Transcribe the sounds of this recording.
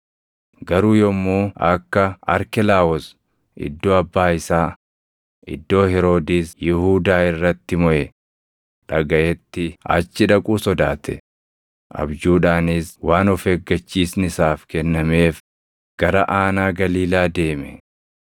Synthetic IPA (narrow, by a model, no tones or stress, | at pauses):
ɡɐɾuːjɔmːuːɐkːɐɐ̰ɾkɪlaːɔs | ʔɪ̰d̪ːo̞ːɐbːaːɪsaː | ʔɪ̰d̪ːo̞ːhɛɾo̞ːd̪iːsjɪhuːd̪aːɪrːɐt̪ːɪmɔʔɛ | ᶑɐɡɐʔɛt̪ːɪɐ̰t͡ʃːɪᶑɐkʼuːsɔd̪aːt̪ʰɛ̰ | ʔɐ̰bd͡ʒuːᶑaːnɪswaːnɔfɛɡːɐt͡ʃːiːsnɪsaːfkɛnːɐme̞ːf | ɡ̥ɐɾɐʔaːnaːɡɐliːlaːd̪e̞ːmɛ